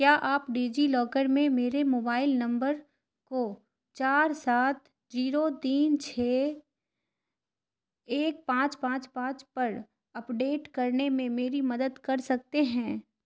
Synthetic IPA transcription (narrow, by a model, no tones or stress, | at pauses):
kjaːʔaːpɖiːd͡ʒilɔːkəɾmẽmeːɾemoːbaːɪlnɐ̃mbəɾ | ko | t͡ʃaːɾsaːt̪ | d͡ʒiːɾot̪iːnt͡ʃʰeː | eːk̚pãːt͡ʃpãːt͡ʃpãːt͡ʃpɐɾ | ɐpɖeːʈkɐɾnemẽmeːɾimɐd̪əd̪kɐɾsɐk̚t̪eɦɛ̃ː